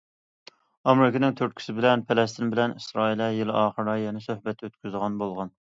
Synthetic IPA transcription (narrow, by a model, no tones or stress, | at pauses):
ɑmɾɪkʲɪnɪŋt̪ʰøɾ̚kʲʰi̥sɪbɪlɛnpʰelɛst̪ʰɪnbɪlɛnisɾɑːilɛjɪlɪʔɑːχəɾɑjɛnɛsøhbɛt̪ʰøt̪kʲyzʁɑnbolˠʁɑn